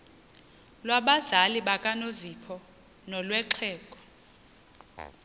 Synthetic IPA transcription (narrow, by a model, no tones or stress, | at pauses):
lwaɓazaliɓakʼanozipʰɔ | nɔlwɛǁʰɛːkʼɔ̥